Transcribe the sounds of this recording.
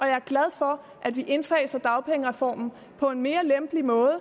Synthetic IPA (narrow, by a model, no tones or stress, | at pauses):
ʔɒ̽jɑ̈æɐɡ̥læð̞ˠfɒ̽ | ʔæd̥ʋiʔe̝nfɛːɪsɐd̥ɑ̈ʊpʰeŋəʁɛfɒ̰ːmn̩ | pʰɒ̽e̝nme̝ːɐlemb̥əlimɔ̽ːð̞ˠə